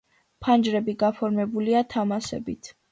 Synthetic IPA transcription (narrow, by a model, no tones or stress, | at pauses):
pʰand͡ʒɾɛbiɡapʰɔɾmɛbuliat̪ʰamasɛ̰bit̪ʰ